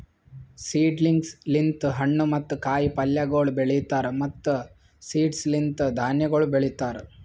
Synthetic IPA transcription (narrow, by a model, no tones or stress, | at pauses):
siːɖliŋɡslint̪ɦɐɳːumɐt̪ːukaːjipɐljɐɡɐɭubeɭit̪aːɾemɐt̪ːu | siːɖslint̪d̪ʱaːnjɐɡɐɭubeɭit̪aːɾe